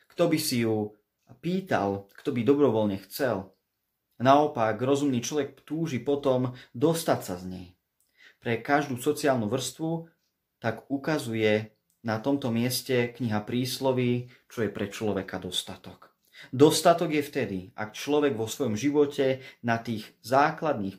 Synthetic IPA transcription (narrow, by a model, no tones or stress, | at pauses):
kt̪ɔbisiju | piːt̪a̰lkt̪ɔbid̪ɔbɾɔʋɔlɲɛxt͡sɛl | naɔpaɡɾɔzumniːt͡ʃlɔʋɛk̚t̪uːʒipɔt̪ɔmd̪ɔst̪atsazɲɛ̰j | pɾɛkaʒd̪uːsɔt͡siaːlnuʋr̩st̪ʋu | t̪aɡukazujɛ | nat̪ɔmt̪ɔmɪɛscɛkɲiɦapɾiːslɔʋi | t͡ʃɔjɛpɾɛt͡ʃlɔʋɛkad̪ɔst̪at̪ɔk | d̪ɔst̪at̪ɔɡjɛft̪ɛd̪iʔa̰kt͡ʃlɔʋɛɡʋɔsʋɔjɔmʒiʋɔcɛnat̪iːɣzaːklad̪̚niːx